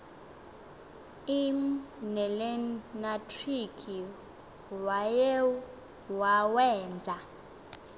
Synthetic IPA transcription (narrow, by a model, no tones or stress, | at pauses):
imnɛlɛnatʰʼrikʰʼi | wajɛ | wawɛːnd͡zʱa